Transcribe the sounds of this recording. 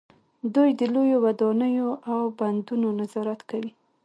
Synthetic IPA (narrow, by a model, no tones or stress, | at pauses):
d̪ujd̪əlojowad̪ɑnəjoʔawband̪unonazɑɾat̪kawi